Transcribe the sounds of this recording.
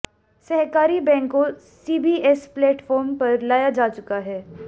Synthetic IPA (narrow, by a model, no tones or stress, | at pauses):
sɛɦkaːɾibɛ̃ːŋkːo | siːbiʔɛsplɛːʈfɔːɾmpɐɾlaːjad͡ʒaːt͡ʃʊkaɦɛː